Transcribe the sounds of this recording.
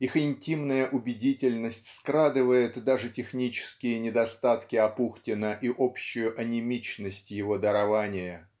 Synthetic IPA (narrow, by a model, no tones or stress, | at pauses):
ixɪnʲtʲimnəjəʔʊbʲɪdʲitʲɪlʲnəsʲtʲskɾad̪ɨvəjɪt̪d̪aʐɨtʲɪxnʲit͡ɕɪ̥skʲɪjənʲɪd̪ɐst̪at̪kʲɪɐpuxtʲɪnəʔiʔopɕːʊjʊʔɐnʲɪmʲit͡ɕnəsʲtʲjɪvo̞d̪əɾɐvanʲɪjə